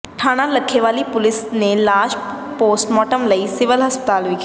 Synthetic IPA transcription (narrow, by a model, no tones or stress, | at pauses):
ʈʰaːñaləkʰːeʋaːlipʊlɪsnelaːʃ | poːsʈmɔːʈəmlɐisɪʋəlɦɐspət̪aːlik